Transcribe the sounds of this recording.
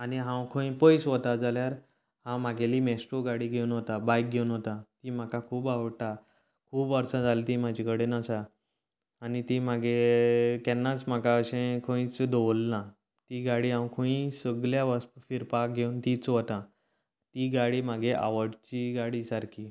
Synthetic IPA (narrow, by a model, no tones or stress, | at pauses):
aniɦãwkʰõĩpəjsʋət̪ad͡zaljaɾ | hãmaɡʱeliːmesʈɾoɡaɽiːɡʱewnɦot̪abajk̚ɡʱewnɦot̪ãt̪im̤akakʰuːbaʋəɽʈa | kʰuːbʋəɾt͡sãd͡zalt̪imad͡ʑʱikəɽenəsaː | nit̪im̤aɡʱekɛnːat͡sm̤akaəɕẽkʰõĩt͡sd̪oʋlːã | t̪iɡaɽiːɦãwkʰəĩsəɡljaʋəst̪fiɾpak̚ɡʱeunt̪it͡sʋət̪ã | t̪iɡaɽiːm̤aɡʱeʔa̰ʋəɽt͡ɕiɡaɽisaɾki